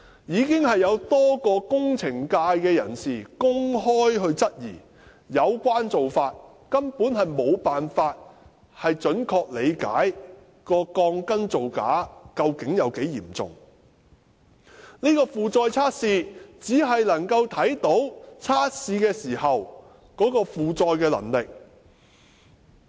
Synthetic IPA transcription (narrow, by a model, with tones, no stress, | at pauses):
jiː˨˧kɪ˥ŋɦɐ˨jːɐ˨˧wt̪ɔː˥kɔː˧kʊ˥ŋt͡sʰɪ˨˩ŋkaː˧jkɛː˧jɐ̰˨˩nsiː˨kʊ˥ŋɦɔː˥jɦɵ˧ɥt͡sɐ˥t̚jiː˨˩ | jɐ˨˧wkʷaː˥nt͡so˨wfaː˧t̚ | kɐ˥mpuː˨˥nhɐ˨jmo˨˧wpaː˨nfaː˧t̚ | hɐ˨jt͡ʃɵ˨˥nkʰɔː˧k̚le˨˧jka̰ː˨˥j | kɔː˧kɔː˧ŋkɐ˥nt͡so˨wka̰ː˨˥kɐ˧wkɪ˨˥ŋjɐ˨˧wke˨˥jiː˨˩mt͡sʊ̰˨˩ŋ | ni˥kɔː˧fuː˨t͡sɔː˧jt͡sʰaː˥t̚siː˧t͡siː˨˥ɦɐ˨jlɐ˨˩ŋkɐ˧wt̪ʰɐ˨˥jt̪o˨˥wt͡sʰaː˥t̚siː˧kɛː˧siː˨˩hɐ˨w | kɔː˨˥kɔː˧fuː˨t͡sɔː˧jkɛː˧lɐ̰˨˩ŋlɪ˨k̚